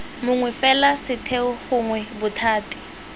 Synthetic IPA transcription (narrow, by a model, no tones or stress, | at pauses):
mʊŋwɛfɛlasɪtʰeʊχʊŋwɛbʊtʰaːti̥